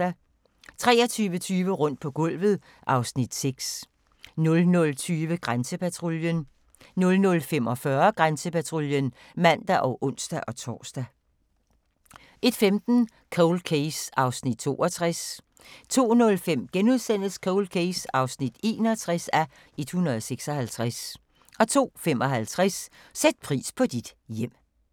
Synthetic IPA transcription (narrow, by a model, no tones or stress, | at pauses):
æ | t͡sʰʁɛ̰ːɐ̽t͡sʰyːʋət͡sʰyːʋəʁɔ̽n̰d̥̚pʰɒ̽ɡ̥ɔ̽l̰ʋð̞̩ˠ | ʔɑ̈ʊsnid̥seɡ̥s | nɔ̽lnɔ̽lt͡sʰyːʋəɡ̥ʁansəpæt͡sʰʁoljən | nɔ̽lnɔ̽lfemɒ̽fɶɐɡ̥ʁansəpæt͡sʰʁoljən | mæn̰d̥æʔɒ̽ʊʔɔn̰sd̥æʔɒ̽t͡sʰɒ̰ːsd̥æ | ʔe̝d̥femd̥n̩ | kʰoʊl̚kʰesɑ̈ʊsnid̥̚t͡sʰo̝̰ːʔɒt͡sʰʁas | t͡sʰo̝̰ːnɔ̽lfem̰ɡ̥enuðˠsen̰l̩skʰɔʊl̚kʰeɪsɑ̈ʊsnid̥e̝̰ːnɒt͡sʰʁasæ | e̝d̥hunʁɐðˠseɡ̥sɒ̽hælt͡sʰʁas | ʔɒ̽t͡sʰo̝̰ːfemɒ̽ɦælt͡sʰʁassed̥̚pʰʁḭːspʰɒ̽d̥id̥jem̰